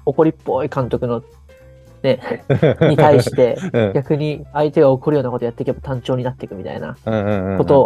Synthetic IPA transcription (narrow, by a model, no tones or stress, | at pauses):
o̞ko̞ɾʲipːo̞ikãnt̪o̞kɯ̟no̞ | ne̞ | ɲit̪aiɕi̥t̪e̞ɡʲakɯ̟ɲ̟iait̪e̞ɡao̞koɾɯ̟jo̞ːnako̞t̪o̞jat̪ːe̞kʲebat̪ãɲt͡ɕo̞ːɲinat̪ːe̞kɯ̟mʲit̪a̰ḭnã̰ko̞t̪o̞